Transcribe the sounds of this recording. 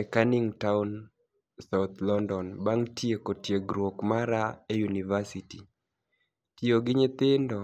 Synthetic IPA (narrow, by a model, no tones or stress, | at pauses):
ɛkanɪŋtaun | saʊt̪lɔndɔnbaŋtjekotjeɡɾwokmaɾaejunivasiti | tjoɡɪɲɪt̪ɪndɔ